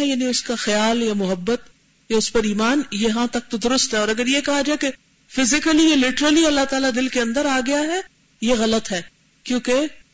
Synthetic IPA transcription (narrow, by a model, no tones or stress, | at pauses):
ɛjaːniʊskaxɐjaːljamʊɦəbːət̪ | jaʊspɐɾiːmaːnjɐɦãt̪ɐk̚t̪od̪ʊɾʊst̪ɦɛɔːɾɐɡəɾjekɐɦad͡ʒaːeke | fɪzɪkəlielɪʈəɾəliɐlːaɦt̪aːlad̪ɪlkeɐ̃nd̪əɾaːɡɐjaɦɛ | jeɣɐlət̪ɦɛː | kjõːke